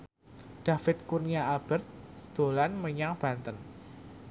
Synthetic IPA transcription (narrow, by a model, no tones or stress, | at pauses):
ɖ̥a̤fɪt̪̚kurniaalb̥ə̤rt̪̚d̪̥o̤lanməɲaŋb̥ä̤nt̪ən